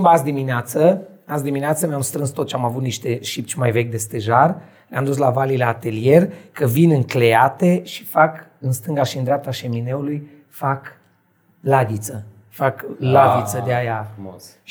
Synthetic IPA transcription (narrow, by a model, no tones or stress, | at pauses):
imbasd̪imineat̪səas̬d̪imineat̪səmeamst̪ɾɨnst̪ot̪t͡ʃamavut̪niʃt̪e̞ʃip̚t͡ʃmajve̞k̬ʲd̪e̞st̪e̞ʒar | leamd̪us̬lavalileat̪e̞lije̞rkəvinɨŋkle̞at̪e̞ʃi̥fakɨnst̪ɨŋɡaʃiɨnd̪ɾeap̚t̪aʃe̞mine̞uluj | fak | laɡ̪it̪sə | faklavit̪səd̪eaja